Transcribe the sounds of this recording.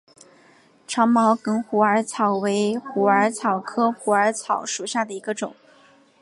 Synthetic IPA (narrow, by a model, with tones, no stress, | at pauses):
ʈ͡ʂʰɑ˧˥ŋmɑ˧˥ʊkɤ˥ŋxu˧˥ə˞˧˥t͡sʰɑ˨˩ʊwe˧˥ɪxu˧˥ə˞˧˥t͡sʰɑ˨˩ʊkʰɤ˥xu˧˥ə˞˧˥t͡sʰɑ˨˩ʊʂu˨˩ɕja˥˩d̪ə˩i˧˥ɡə˧ʈ͡ʂʊ̰˨˩˦ŋ